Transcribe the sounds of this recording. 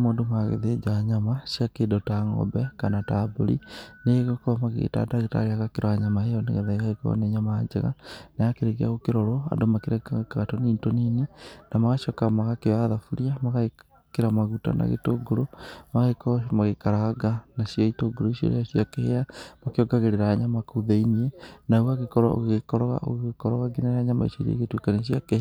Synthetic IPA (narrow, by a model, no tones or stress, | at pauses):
moːndomaɣḛðed͡ʒaːɲamaʃjakedotaŋɔ̰bɛkanataboɾḭneɣokomaɣḛta̰daɣeta̰ɾeaɣakeɾʔoaɲamahejɔnḛɣeðaiɣaekɔ̰neɲamad͡ʒḛɣa̰najakeɾeɣea̰ɣokeɾɔɾɔa̰domakeɾekakaɣatoniːntoninenamaɣaʃɔkamaɣakeaðafuɾiamaɣae | keɾamaɣuta̰na̰ɣḛtoɡoɾomaɣakɔmaɣekaɾaɡanaʃiaitoɡoɾoiʃiḛɾḛaɕiakeheamakeɔɡaɣeɾeɾaaɲamakuðeinienauɣaɣekɔɾa̰o̰ɣɣekɔɾɔɣa̰ʔo̰ɣɣekɔɾɔɣaɡinaɾaɲama̰ḭʃḛɾiḛɣetwekanieʃiakeh